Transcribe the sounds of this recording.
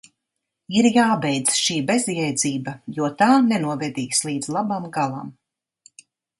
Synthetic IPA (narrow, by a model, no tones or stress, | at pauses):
iɾjaːbɛjd̪zʃiːbezjɛjd̪ziːbɐjuɔt̪aːnɛnuɔvɛd̪iːslˠiːd̪z̥lˠabamɡalˠa̰m